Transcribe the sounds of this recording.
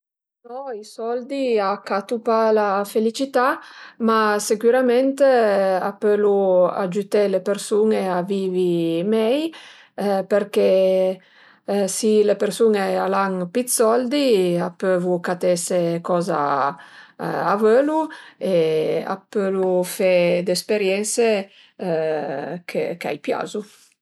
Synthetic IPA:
nɔisɔld̪iakat̪upalafelit͡ʃit̪amasekuɾamɛnt̪eapølua̰d͡ʒut̪ɛlepeɾsuneaviːvimɛj | peɾke | silepeɾsuŋealaŋpit̪sɔld̪iapøvukat̪ɛsekɔza̰ | avøluea̰pølufɛd̪espeɾjɛnse | kʰḛka̰jpja̰zu

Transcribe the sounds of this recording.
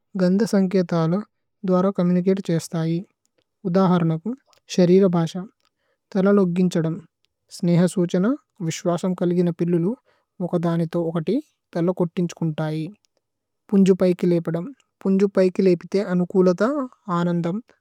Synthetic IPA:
ɡɐnd̪ʱɐsɐŋkɛːt̪aːlɐ | d̪ʋaːɾaːkɐmjuːnik̬eːʈt͡ʃeːst̪aːji | ud̪aːɦɐɾɐɳɐku | ʃɐɾiːɾɐbʱaːʂɐ | t̪ɐlɐloɡːiɲt͡ʃɐɽɐm | snɛːɦɐsuːt͡ʃɐnɐ | ʋiʃʋaːsɐmkɐliɡinɐpilːulu | ɔkɐd̪aːnit̪o̞ːɔkɐʈi | t̪ɐlɐkoʈːiɲt͡ʃu̥kuɳʈaːji | puɲd͡ʒupɐjkilɛːpɐɽɐm | puɲd͡ʒupɐjkileːpit̪e̞ːʔɐnukuːlɐt̪ɐaːnɐnd̪ʱɐm

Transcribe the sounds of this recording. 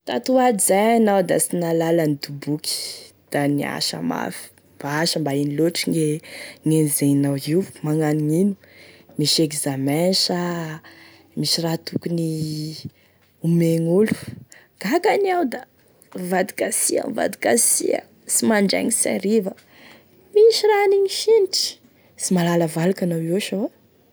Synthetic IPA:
t̪at̪uadizajanawd̪asinalalanid̪ubuki̥ | d̪̥ania̰ʃa̰ma̰fi̥ | b̥aaʃəmbainiloʈ͡ʂiŋeŋenizenawimaŋaniŋinu̥ | miʃekzamenʃa | miʃirat̪ukuni | umeŋulu̥ | ɡ̥akaniawd̪a | vad̪i̥kasia̰va̰d̪i̥kasiə̰ | simaɳɖ͡ʐḛɲisa̰ɾivə | miʃiɾaniɲiʃiniʈ͡ʂi̥ | simalaləvalakanawiaʃawa

